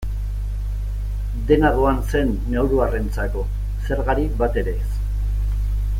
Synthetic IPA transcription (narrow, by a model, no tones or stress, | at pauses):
d̪e̞naðoanse̞nːewɾuarent͡sako̞ | se̞ɾɣaɾibat̪e̞ɾe̞s